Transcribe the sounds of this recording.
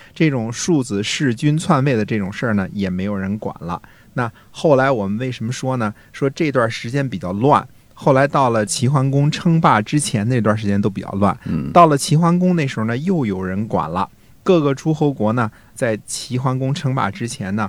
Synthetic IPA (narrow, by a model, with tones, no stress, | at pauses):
ʈ͡ʂɤ˥˩ʈ͡ʂʊ˨˩ŋʂu˥˩d͡zɹ̩˧˩ʂɻ̩˥˩t͡ɕy˥nt͡sʰwa˥˧nwe˥˩ɪd̪ə˩ʈ͡ʂɤ˥˩ʈ͡ʂʊ˨˩ŋʂə˞˥˩nə˩jɛ˨˩me˧˥ɪjo˨˩ʊɻə˧˥nkwa̰˨˩nlə̰˦ | na˥˧ | xo˥˩ʊla˧˥ɪwɔ˨˩mə˦nwe˥˩ɪʂə˧˥nmə˧ʂwɔ˥nə˨ | ʂwɔ˥ʈ͡ʂɤ˥˩i˧t̪wa˥˩ʂɻ̩˧˥t͡ɕjɛ˥npi˨˩t͡ɕjɑ˥˧ʊlwa̰˥˩n | xo˥˩ʊla˧˥ɪt̪ɑ˥˩ʊlə˩t͡ɕʰi˧˥xwa˥nkʊ˥ŋʈ͡ʂʰɤ˥ŋpa˥˩ʈ͡ʂɻ̩˥t͡ɕʰjɛ˧˥n˧t̪wa˥˩ʂɻt͡ɕjɛ˥nt̪o˥ʊpi˨˩t͡ɕjɑ̰˥˧lwa̰˥˩nt̪ɑ˥˩ʊlə˩t͡ɕʰi˧˥xwa˥nkʊ˥ŋne˥˩ɪʂɻ̩˧˥xo˧nə˧jo˥˩ʊjo˨˩ʊɻə˧˥nkwa̰˨˩nlə̰˦ | kɤ˥˩ɡə˨˩ʈ͡ʂʰu˥xo˧˥ʊkwɔ˧˥nə˧ | t͡sa˥˩ɪt͡ɕʰi˧˥xwa˥nkʊ˥ŋʈ͡ʂʰɤ˥ŋpa̰˥˩ʈ͡ʂɻ̩˥t͡ɕʰjɛ˧˥nnə˨